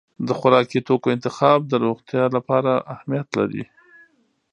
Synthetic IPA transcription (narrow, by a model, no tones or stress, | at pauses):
d̪əxʊɾɑkit̪okoɪnt̪ɪxɑb̚d̪əɾoɣt̪jɑlapɑɾaʔahmijat̪laɾḭ